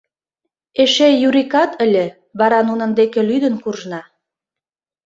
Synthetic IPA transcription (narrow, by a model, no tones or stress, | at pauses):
eʃejuɾikɑt̪ə̆lʲĕ | βɑɾɑnunə̆nd̪ekĕlyd̪ə̆nkurʒnɑ